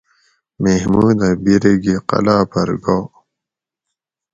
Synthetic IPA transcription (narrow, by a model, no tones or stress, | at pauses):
mehmuːnabiɾeɡiqɐ̰laːpɐɾɡoː